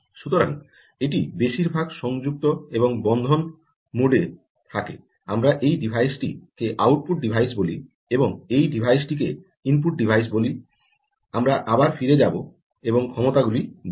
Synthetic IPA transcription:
ʃut̪oɾa̰ŋ | eʈibeʃiɾbʱaɡʃɔŋd͡ʑuk̚t̪oeboŋbɔnd̪ʱon | muɖe | t̪ʰakḛ | amɾaʔejɖibʱajsʈikeʔawʈ̚puʈ̚ɖibʱajs̬boli | eboŋejɖibʱajsʈik̬e | impuʈ̚ɖibʱajs̬boli | amɾaʔabaɾfiɾed͡ʑabo | eboŋkʰɔmot̪aɡuli

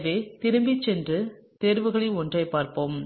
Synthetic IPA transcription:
ʋeːt̪ɪɾɯmbɪt͡ʃːɛndrɯ | t̪ɛɾɯʋɯɣɐɭɪɔndrɐɪpaːɾpoːm

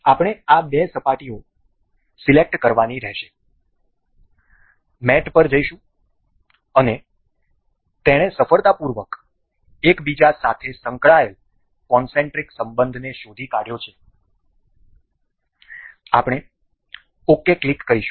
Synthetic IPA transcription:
apɽ̃eabesəpaʈio | silek̚ʈkəɾʋaniɾɛɦʃe̥ | mɛʈpəɾd͡ʒəiʃũ | əne | t̪eɽ̃esəfəɾt̪apuɾʋək | ekbid͡ʒasat̪ʰesə̃ŋkɭael | kɔnsẽɳʈɾiksəmbənd̪ʱneʃod̪ʱikaɽjot͡ʃʰe | a̰pɽ̃e | okːeklikːəɾiʃũ̥

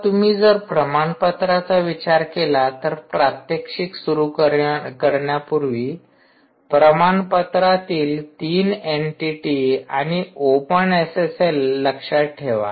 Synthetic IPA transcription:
t̪um̤iːd͡zəɾpɾəmaɳpət̪ɾat͡saʋit͡ɕaɾkelat̪əɾpɾat̪jəkʂiksuɾukəkəɾɳjapuɾʋiː | pɾəmanpət̪ɾat̪iːlt̪iːneɳʈiʈiaɽ̃iopəneseselːəkʂaʈʰeʋa̰

